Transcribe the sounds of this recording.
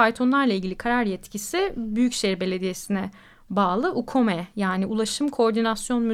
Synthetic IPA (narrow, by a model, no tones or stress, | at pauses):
alʲt̪ʰo̞nlˠaɾlˠailʲɟilʲikʰaɾaɾjɛt̪cʰisibyjycʃɛɾbe̞lʲe̞d̪ijesinɛ | baːlˠɯʔukʰo̞mɛjaːniulˠaʃɯmkʰo̞ɾd̪inasjo̞nmy